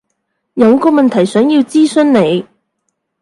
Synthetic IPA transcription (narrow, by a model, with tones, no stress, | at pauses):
jɐ˨˧wkɔː˧mɐ˨nt̪ʰɐ˨˩jsœː˨˥ŋjiː˧wt͡siː˥sɵ˥nne˨˧j